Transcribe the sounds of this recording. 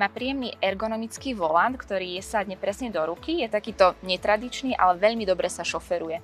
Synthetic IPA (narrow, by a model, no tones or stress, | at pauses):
maːpɾijɛmniːʔɛɾɡɔnɔmit͡skiːʋɔlant̪kt̪ɔɾiːjɛsad̪ɲɛpɾɛsɲɛd̪ɔɾukijɛt̪akiːt̪ɔɲɛt̪ɾad̪it͡ʃniːʔa̰lɛʋɛʎmid̪ɔbɾɛsaʃɔfɛɾujɛ